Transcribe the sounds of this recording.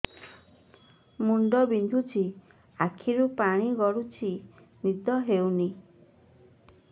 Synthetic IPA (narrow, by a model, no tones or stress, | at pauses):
muɳɖɔbind̪ʱut͡ʃʰi | akʰiɾupaɽ̃iɡɔɽut͡ʃʰi | nid̪ɔɦewni